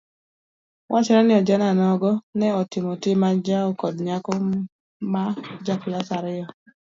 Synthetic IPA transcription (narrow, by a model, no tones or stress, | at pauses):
wʔat͡ʃɛɾɛnɪɔd͡ʒananɔɡɔnɛɔtɪmɔtimad͡ʒaɔkɔdɲakɔ | mad͡ʒaklasaɾɪɔ